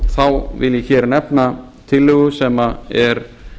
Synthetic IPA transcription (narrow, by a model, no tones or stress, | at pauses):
θawvɪ̰ljɛçɛːɾnɛpna | t̪ʰɪlːʏɣʏsɛmaɛɾ̥